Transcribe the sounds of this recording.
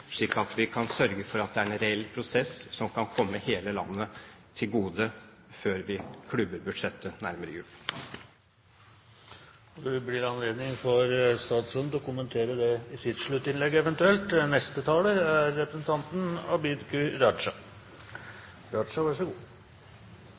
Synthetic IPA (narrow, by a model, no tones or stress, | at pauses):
ʂɭiːkːɑt̪ʋɪkʰɑnsœɾɡəfɔɾɑt̪̚d̪ɛæɾɛnɾɛɛlːpʰɾʊsɛssɔmkʰɑnkʰɔmːəheːləlɑ̰nːət̪ʰɪlɡuːd̪ə | føːɾʋɪkʰlʉbəɾbʉ̥ʂɛt̪ːənæɾməɾə̰jʉːl | ɔd̪ʉblɪɾɑnleːd̪nɪŋfɔɾst̪ɑːt̪sənd̪ɔkʊmənt̪ʰeːɾəd̪ɛɪt̪ʰɪd̪ʂɭʉt̪ːɪnlɛɡːɛʋɛnt̪ʉɛlt̪nɛst̪ət̪ʰɑːləæɾːɛpɾəsn̩t̪ʰɑnt̪n̩ɑbid̪kʉɾɑʂɑ | ɾɑʂɑʋɑʂɔɡuː